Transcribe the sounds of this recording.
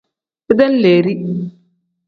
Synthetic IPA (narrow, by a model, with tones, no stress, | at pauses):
ɪ˦d̪ɛ˦nleː˨ɾi˦